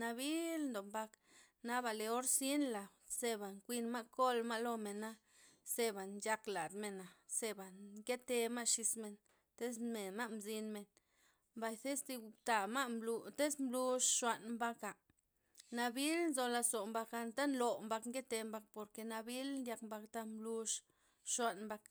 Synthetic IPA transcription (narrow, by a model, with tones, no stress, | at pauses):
na˧βi˦lnd̪o˨mba˧k | na˧ba˨le˨˧o˦ɾsi˦nla˨wse˧ba˨ŋkʷi˧nma˦ʔko˦lma˦lo˦˧me˨na˦ | se˧ba˨nja˧kla˨d̪me˨na˨se˧ba˨ŋke˦t̪e˧ma˦ʔʃi˧sme˧n | t̪e˦sme˨ma˦ʔmzi˧nme˨n | mba˧jθe˦st̪i˧u˧t̪a˨ma˦mlu˧t̪e˦smblu˧ʂʃwa˧ʔnmba˧ka˨ | na˧bi˦lnzo˧la˧so˨mba˧ka˧nt̪a˦nlo˨mba˧kŋke˦t̪e˧mba˧k̚po˧ɾke˧na˧bi˦lnd̪ja˧kmba˧kt̪a˦mblu˧ʂ | ʃwa˧nmba˧k